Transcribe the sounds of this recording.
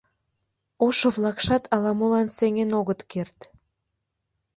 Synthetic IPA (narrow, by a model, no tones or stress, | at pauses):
oʃovlɑkʃɑt̪ʰɑlɑmolɑnseŋenoɣət̪kert̪